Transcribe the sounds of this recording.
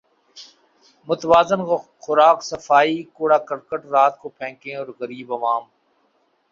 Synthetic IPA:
mʊt̪ʋaːzɪnxʊɾaːksəfaːiːkoːɽaːkəɾkəʈɾaːt̪̚koːpʰɛ̃ːkẽːɔːɾɣəɾiːbɐʋaːm

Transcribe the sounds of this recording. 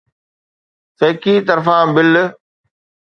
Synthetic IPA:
sɐːkiːt̪ɐɾfãːbɪl

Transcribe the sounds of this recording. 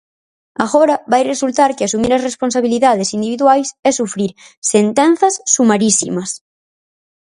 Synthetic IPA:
aɣɔɾɐβajresult̪aɾkɪasumiɾɐsrespõns̬aβiliðaðesind̪iβiðwajsɛsufɾiɾ | sent̪ɛn̟θɐsːumaɾisḭmɐs

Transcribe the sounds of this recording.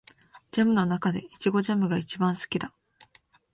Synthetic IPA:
d͡ʑamɯ̟no̞nakad̪e̞it͡ɕiɡo̞ʑamɯ̟ɡait͡ɕibãɰ̃sɨ̥kʲid̪a

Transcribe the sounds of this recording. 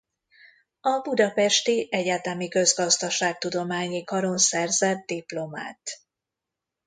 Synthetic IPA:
ɒbud̪ɒpɛʃt̪iʔɛɟaːt̪ɛmikø̞zɡɒzd̪ɒʃaːk̚t̪ud̪o̞maːɲikɒɾo̞nsɛrzɛt̪̚d̪iplo̞ma̰ːt̪

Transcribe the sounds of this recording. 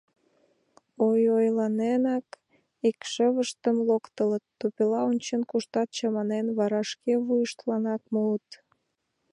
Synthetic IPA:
ojojlɑnenɑk | ikʃəβəʃt̪əmlokt̪ələt̪ːupilɑonʲt͡ɕənkuʃt̪ɑt̪̚t͡ɕɑmɑnenβɑɾɑʃkeβujəʃt̪lɑnɑk̚muət̪

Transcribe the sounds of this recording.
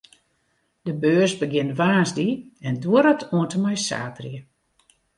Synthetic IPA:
dəbøːrsbəɡɪntʋaːnzdiɛnduəɾɔtʰuəntəmɛjsa̰ːtrjə

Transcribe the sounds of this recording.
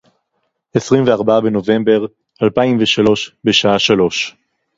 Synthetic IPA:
esʁimveaʁbaabeno̞ve̞mbe̞ʁ | alpaimveʃalo̞ʃbeʃaaʃalo̞ʃ

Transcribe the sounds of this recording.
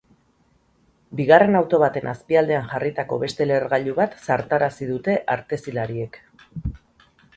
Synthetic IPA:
biɣare̞nawt̪o̞β̞at̪e̞nʔaspiald̪e̞aŋʝarit̪ako̞̰βe̞st̪e̞le̞rɣaʎuβat̪saɾt̪aɾasiðut̪e̞ʔaɾt̪e̞silaɾie̞k

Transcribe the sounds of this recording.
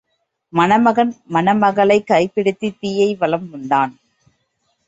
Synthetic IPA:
mɐnɐmɐɣɐnmɐnɐmɐɣɐɭɐɪkːɐɪpːɪɽɯt̪ːit̪iːjɐɪʋɐlɐmʊɳɖaːn

